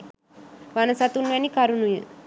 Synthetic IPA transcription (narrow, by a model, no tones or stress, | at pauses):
ʋanɐsat̪unʋanikaɾunujə̰